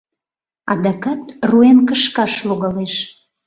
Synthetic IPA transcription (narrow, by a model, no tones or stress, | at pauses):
ɑ̰d̪ɑkɑt̪ruenkəʃkɑʃluɣɑleʃ